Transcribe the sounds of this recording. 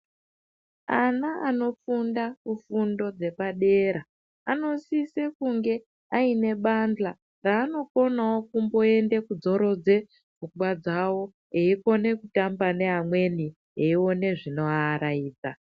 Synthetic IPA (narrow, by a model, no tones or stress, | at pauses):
anaano̞fundakufundo̞d͡ze̞paɗe̞ɾa | ano̞sisekuŋɡe̞ | aine̞ɓand͡ɮa | raːno̞ko̞nawo̞kumbo̞e̞nde̞kud͡zo̞ɾo̞d͡ze̞ | b͡vuɡwad͡zawo̞ | eiko̞ne̞kutambane̞ɦamwe̞ni | eio̞ne̞ʐino̞aːɾaiːd͡za̰